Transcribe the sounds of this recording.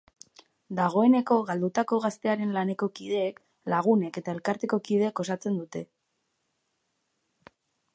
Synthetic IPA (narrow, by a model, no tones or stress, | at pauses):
d̪aɣ̞o̞e̞ne̞ko̞ɣald̪ut̪ako̞ɣ̞ast̪e̞aɾe̞nlane̞ko̞kiðe̞ːk | laɣ̞une̞ke̞t̪ae̞lkaɾt̪e̞ko̞kið̞e̞ko̞sat͡se̞nd̪ut̪e̞